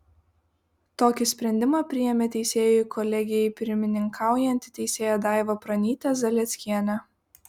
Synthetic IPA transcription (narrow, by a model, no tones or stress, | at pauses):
t̪oːkʲɪsʲpʲɾʲɛnʲd̪ʲɪmɑːpʲɾʲɪjɛmʲeːt̪ʲɛɪsʲeːjʊjkʰɔlʲɛɡʲɪjɛɪpʲɪɾʲmʲɪnʲɪŋkʰɑˑʊjɛnʲt̪ʲɪ̥t̪ʲɛɪsʲeːjoːd̪ɑˑɪʋopɾɐnʲiːt̪ʲɛzɐlʲɛt̪sʲkʲiɛnʲɛ